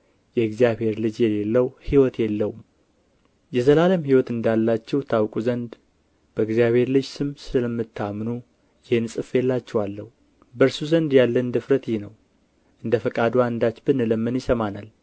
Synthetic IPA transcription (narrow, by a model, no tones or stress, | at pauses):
jɛɨɡzijabhe̞ɾlɨd͡ʒjɛlelːəwhiwɔt̪jɛlːəwum | jɛzəlaləmhiwɔt̪ɨnd̪alːat͡ʃːɛwt̪ʰawkʼuzənd̪ | b̥əɨɡzjaβhe̞ɾlɨd͡ʒsɨmsɨləmːɨt̪ʰːamnu | jɪhnsʼɨfjɛlːat͡ʃːɛwalːəhu | bəɾsuzənd̪jalːənd̪ɨfɾət̪jinəw | ʔɨnd̪əfəkʼad̪and̪at͡ʃbɨnɨləmːɨnjɪsəmanal